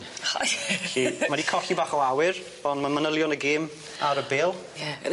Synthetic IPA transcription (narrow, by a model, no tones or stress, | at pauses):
a̰imadikʰɔɬibaːχɔwawɨɾ | ɔndmanmənəlˠjɔnəɡeːm | aɾəbeːlˠjɛ̰